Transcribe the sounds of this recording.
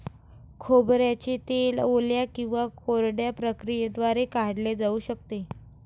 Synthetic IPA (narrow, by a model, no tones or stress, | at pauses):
kʰobɾjat͡ɕet̪eloljakĩw̃ʋakoɾɽjapɾəkɾijed̪ʋaɾekaɽled͡zauːɕəkt̪e